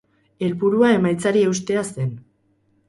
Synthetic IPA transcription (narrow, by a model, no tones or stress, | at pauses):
e̞lpuɾuae̞majt͡saɾie̞wst̪e̞ase̞n